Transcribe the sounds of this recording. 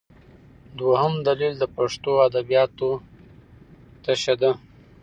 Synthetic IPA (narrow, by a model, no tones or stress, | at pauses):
d̪wahəmd̪alild̪əpaʂt̪oad̪abijɑt̪o | t̪aʃad̪a